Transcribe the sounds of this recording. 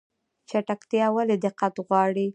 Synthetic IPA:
t͡ʃaʈakt̪jɑwaled̪ɪqːat̪ɣwɑɽi

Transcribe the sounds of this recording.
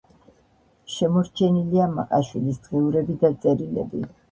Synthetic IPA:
ʃɛmɔɾt͡ʃʰɛniliamaqʼaʃwilisd̪̥ʁɛuɾɛbid̪at̪sʼɛɾilɛ̰bi

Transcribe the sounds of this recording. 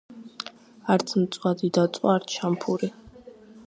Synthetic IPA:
aɾt̪sʰmt̪sʼwad̪id̪at̪ʼwaːɾt̪ʰʃampʰuɾi

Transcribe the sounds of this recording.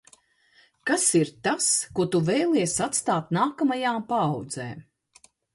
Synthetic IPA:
kasiɾt̪askuɔt̪uvɛjlˠiɛsat̪st̪aːt̪naːkamajaːmpaːwd̪zḛː

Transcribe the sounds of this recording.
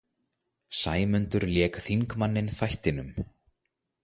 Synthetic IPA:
saːjmʏnt̪ʏɾljɛːkθiŋkmanːɪnθajht̪ɪnʏm

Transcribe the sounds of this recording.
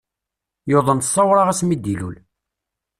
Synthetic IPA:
joðˤənt̪sˤːɑwɾˤɑʁæsmid̪ːilṵl

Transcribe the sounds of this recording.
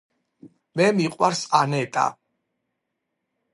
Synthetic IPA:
mɛmiqʼwaɾsanɛt̪ʼa̰

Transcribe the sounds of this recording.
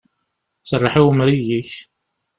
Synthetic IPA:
sərˤːɑħiwmɾijiç

